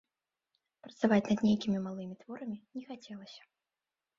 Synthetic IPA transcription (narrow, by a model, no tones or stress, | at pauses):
pɾɐt̪savat͡sʲnɐd̪nʲejkʲimʲimalˠɨmʲit̪v̥ɔɾɐmʲinʲɛxat͡sʲɛlˠɐsʲɐ̥